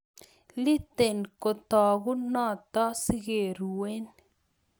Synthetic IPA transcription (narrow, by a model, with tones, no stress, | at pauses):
li˦t̪e˨nko˨t̪ɔ˨ɡu˦nɔ˦˨t̪ɔ˦si˦ɡe˨ɾu˨we˦n